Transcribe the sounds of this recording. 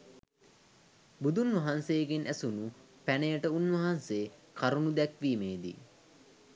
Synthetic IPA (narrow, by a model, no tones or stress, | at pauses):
bud̪unʋɐɦansejɡenʔæsunu | pænejəʈəunʋɐɦanseːkaɾunud̪ɛkʋiːmeːd̪ḭ